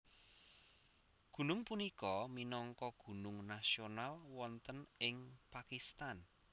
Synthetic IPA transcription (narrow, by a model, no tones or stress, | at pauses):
ɡ̥ṳnʊŋpunikɔminɔŋkɔɡ̥ṳnʊŋnasionalwɔnt̪ənɪŋpakist̪an